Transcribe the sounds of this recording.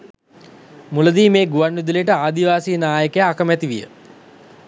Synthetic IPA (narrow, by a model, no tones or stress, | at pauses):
muləd̪iːmeːɡuʋanːud̪ulejəʈəaːd̪iʋaːsiːnaːjəkəjaːkəmæt̪iʋijə̰